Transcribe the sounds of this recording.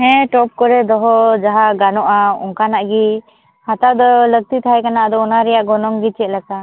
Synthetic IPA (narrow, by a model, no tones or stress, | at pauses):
ɦɛ̃ʈɔp̚kɔɾɛd̪ɔɦɔd͡ʒaɦaɡanɔʔaɔŋkanaʔɡi | hat̪ad̪ɔlək̚t̪it̪ʰajkanaʔd̪ɔɔnaɾɛjaʔɡɔnɔŋɡit͡ʃɛʔlaka